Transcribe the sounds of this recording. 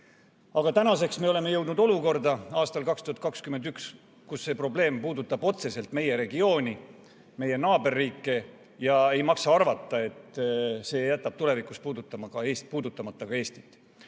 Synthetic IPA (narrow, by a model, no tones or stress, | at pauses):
ɑɡ̥ɑt̪ænɑse̞ksme̞o̞le̞me̞jɤwd̪nud̪o̞luko̞rd̪ɑɑːst̪ɑlkɑkst̪uhɑt̪̚ˑkɑkskymːenyks | kusːe̞pro̞ble̞ːmpuːd̪ut̪ːˑɑb̥o̞t̪se̞se̞lt̪me̞je̞ɾe̞ɡio̞ːnʲi | me̞je̞nɑːbe̞rːiːkːe̞ | jɑe̞jmɑksɑɑrvɑt̪ˑːɑe̞t̪se̞ːjæt̪ːˑɑb̥̚t̪ule̞vikˑuspuːd̪ut̪ːˑɑmɑkɑeːspuːd̪ut̪ːˑɑmɑt̪ːˑɑkɑe̞ːst̪i̥t̪ːˑ